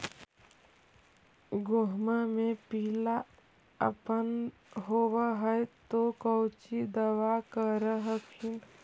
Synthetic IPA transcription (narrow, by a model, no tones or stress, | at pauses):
ɡoɦmamepiːla | ə̰pən | ɦowəɦəjt̪okəwt͡ʃid̪əwakəɾəɦəkʰin